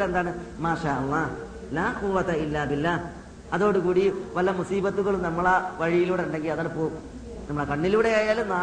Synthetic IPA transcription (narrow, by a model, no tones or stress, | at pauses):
le̞nd̪aːɳɨmaːʃaːʔɐlˠˤːɑ | laːquʋːɐt̪ɐilːaːbilːa | ɐðo̞ːɽukuːɽiʋɐlːɐmusiːbɐt̪ːuɣɐɭumnɐmːɐɭeʋɐɻijiluːɽuɳɖe̞ŋɡilɐðaːlpoː | nɐmːuɭekɐɳːiluːɽe̞jaːjaːlumnaː